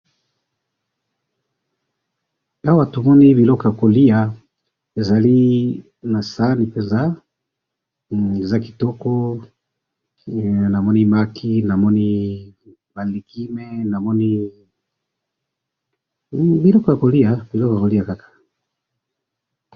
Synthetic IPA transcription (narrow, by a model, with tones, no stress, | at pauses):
a˦wa˨tu˨mɔ˦ni˦βi˨lɔ˦ka˨ko˨li˦a˨ | e˨za˨li˦ | na˨sa˦ni˨pɛ˨nza˦ | e˨za˦ki̥˨tɔ˦kɔ˦ | na˨mɔ˦ni˦ma˦kʰi˦na˨mɔ˦ni˦ | ba˨li˨kʰi˦mɛ˦na˨mɔ˦ni˦ | bi˨˦lɔ˦ko˨ja˨ko˨li˦a˨bi˨lɔ˦ka˨ko˨li˦ja˨ka˦kḁ˨